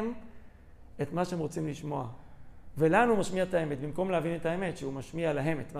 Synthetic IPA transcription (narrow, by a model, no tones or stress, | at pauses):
m | et̪maʃeemʁo̞t͡simliʃmo̞avelanuumaʃmiaet̪aeme̞t̪bimko̞mleavinet̪ae̞me̞tʃeumaʃmialaɦe̞met̪ma